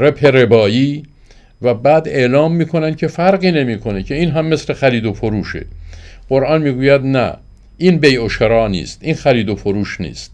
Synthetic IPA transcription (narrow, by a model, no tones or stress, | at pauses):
ɾebhe̞ɾe̞bɒːjiː | væbæːd̪e̞ʔlɒːmːiːkʰo̞næn̚cʰe̞fæɾɢiːne̞miːkʰo̞ne̞cʰe̞iːnɦæmːe̞sle̞xæɾiːd̪ofoɾuːʃe̞̰ɢ̥oɾʔɒːnmiːɡuːjæd̪næ̰ | ʔiːnbejoʃeɾɒːnḭːst̪ʔiːnxæɾiːd̪ofoɾuːʃnḭːst̪